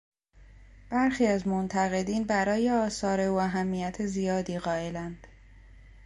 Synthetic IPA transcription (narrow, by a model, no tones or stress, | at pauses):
b̥æɾxiːæzmont̪ʰæɣe̞d̪iːnbæɾɒːje̞ɒːsɒːɾe̞uːæɦæmːijæt̪ʰezijɒːd̪iːɣɒːe̞lænd̪̥